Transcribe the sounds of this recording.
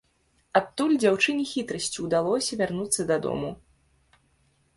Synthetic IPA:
at̪ːulʲd͡zʲawt͡ʂɨnʲixʲit̪ɾɐsʲt͡sʲiwd̪alˠɔsʲɐvʲarnut̪sːɐd̪ɐd̪ɔ̰mu

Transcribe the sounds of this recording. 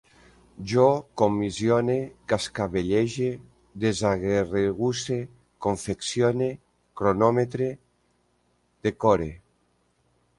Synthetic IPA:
ʒokomizjonekaskaβeʎeʒe | d̪ezaɣereɣuse | koɱfeksjone | kɾonɔmet̪ɾe | d̪ekoɾe

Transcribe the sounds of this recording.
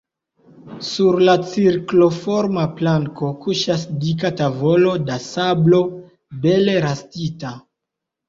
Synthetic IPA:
suɾlat͡siɾklo̞fo̞ɾmaplaŋko̞kuʃasdikatavo̞lo̞dasablo̞ | be̞leɾastita

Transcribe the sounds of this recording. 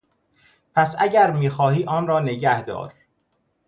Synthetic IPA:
pʰæsæ̰ɟæɾmiːxɒːhiːʔɒːnɾɒːne̞ɟæhd̪ɒ̰ːɾ

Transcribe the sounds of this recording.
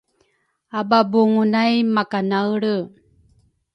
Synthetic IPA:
ababuŋunajmakanawɭə

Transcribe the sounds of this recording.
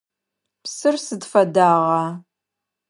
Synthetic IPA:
psɨrsɨdfɐdaːʁɑː

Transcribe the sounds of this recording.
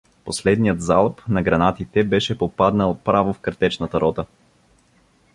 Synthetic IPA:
poslɛd̪nijət̪zalˠpnɐɡɾɐnat̪it̪ɛbɛʃɛpopad̪nəlˠpɾavofkɐɾt̪ɛt͡ʃnət̪ɐɾɔt̪ə

